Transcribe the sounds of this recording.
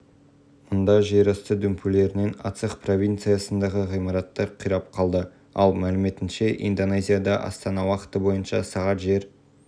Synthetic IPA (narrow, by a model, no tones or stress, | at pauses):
mʊnd̪ɑʒeɾɑst̪əd̪ɵmpʰule̞ɾɪne̞nɑ̰t̪səχpro̞vʲijnt̪sɨjasənd̪ɑʁəʁijmɑɾɑt̪ːɑɾqʰijɾɑp̚qʰɑlˠd̪ə | ɑ̰lˠmælɪme̞t̪ɪnʃe̞ʔḭnd̪o̞nezʲijad̪ɑʔɑ̰st̪ɑnɑwɑqə̥t̪əbo̞jənʃɑ̰sɑʁɑt̪ʒe̞ɾ